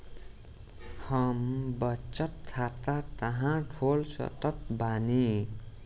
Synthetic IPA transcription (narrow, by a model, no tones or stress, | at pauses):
hʌmbʌt͡sʌt̪kʰːat̪at̪ʌɦãʈʰolsʌ̰t̪ʌt̪̚bani